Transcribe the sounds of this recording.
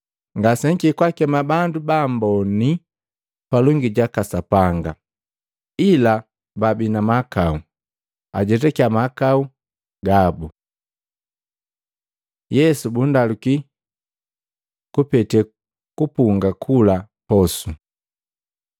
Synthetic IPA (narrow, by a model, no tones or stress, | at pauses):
ŋɡasɛŋkikwakɛmabandubambɔni | palɔŋɡiɟakasapaŋɡa | ila | babinamakau | a̰ɟɛt̬ɛkiamakau | ɡabu | jɛsubundaluki | kupɛtɛ | kupuŋɡakʰula | pɔsu